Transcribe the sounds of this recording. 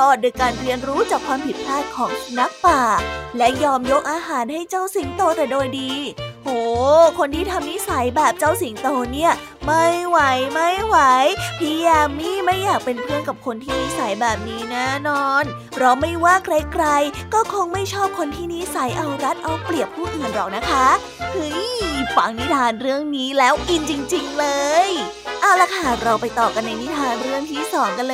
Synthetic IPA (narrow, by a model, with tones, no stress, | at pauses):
t̪ɔː˧˩t̪̚doː˧jkaː˧nɾi˧ənɾuː˦˥t͡ɕaː˨˩kʰwaː˧mpʰi˨˩t̪̚pʰaː˥˩t̪̚kʰɔː˩˦ŋ˧na˦˥k̚paː˨˩lɛ˦˥jɔː˧mjo˦˥k̚ʔaː˧ɦaː˩˦nha˥˩jt͡ɕa˥˩wsi˨˩˦ŋt̪oː˧t̪ɛː˨˩doː˧jdiː˧hoː˩˦kʰo˧nt̪ʰiː˥˩t̪ʰa˧mni˦˥sa˩˦jbɛː˨˩p̚t͡ɕa˥˩wsi˨˩˦ŋt̪oː˧ni˥˩ɐ | ma˥˩jwa˩˦jma˥˩jwa˩˦jpʰiː˧jaː˧miː˥˩ma˥˩jːaː˨˩k̚pe˧npʰɯ˥˩əŋka˨˩p̚kʰo˧nt̪ʰiː˥˩ni˦˥sa˨˩˦jbɛː˨˩p̚niː˦˥nɛ˦˥˩nɔː˧n | ɾɔ˧wma˥˩jwaː˥˩kɾa˦˥kɾa˧jkɔː˥˩kʰo˧˩ŋma˥˩jt͡ɕʰɔː˥˩p̚kʰo˧nt̪ʰiː˥˩ni˦˥sa˩˦jʔa˧wɾa˦˥t̪̚ʔa˧wpli˨˩əp̚ʰuː˥˩ʔiː˨˩ndɔː˨˩k̚na˦˥kʰa˦˥ | hɯ˦˥jfa˨˩˦ŋni˦˥t̪ʰaː˧nɾɯ˥˩əŋniː˦˥lɛː˦˥wki˧nt͡ɕi˧ŋt͡ɕi˧ŋlɤː˧j | ʔa˧˩la˧˩kʰa˥˩˨ɾa˧wpa˧jt̪ɔː˨˩ka˧nːa˧jni˦˥t̪ʰaː˧nɾɯ˥˩əŋt̪ʰiː˥˩sɔː˩˦ŋka˧nlɤː˧